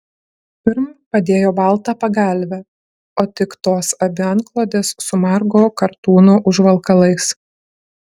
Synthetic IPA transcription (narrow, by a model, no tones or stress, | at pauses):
pʲɪɾmpɐd̪ʲeːjoːbɑˑlˠt̪ɑːpɐɡɐˑlʲʋʲɛ | oːt̪ʲɪkt̪oːsɐbʲɪɐnklˠoːd̪ʲeːsːʊmɑɾɡoːkɐɾt̪uːnoːʔʊʒʋɐlˠkɐlˠɐɪs